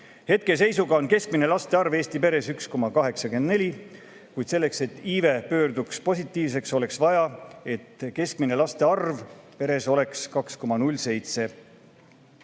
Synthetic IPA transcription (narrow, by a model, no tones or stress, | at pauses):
he̞t̪̚ke̞se̞jsuɡɑo̞nke̞sk̚mine̞lɑst̪e̞ɑrve̞ːst̪ipe̞ɾe̞syksko̞mɑkɑɦe̞ksɑke̞nd̪ne̞lʲi | kujd̪se̞lːekse̞t̪ːˑiːve̞pø̞ːɾd̪ukspo̞sʲit̪ˑːiːvs̬e̞kso̞le̞ksvɑjɑe̞t̪ke̞skmine̞lɑst̪e̞ɑrvpe̞ɾe̞so̞le̞kskɑksko̞mɑnulʲːse̞jt̪se̞